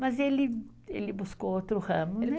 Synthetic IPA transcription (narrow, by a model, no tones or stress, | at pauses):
mɐzelɪ | elɪbuskowot̪ɾʊhɐ̃mʊnɛ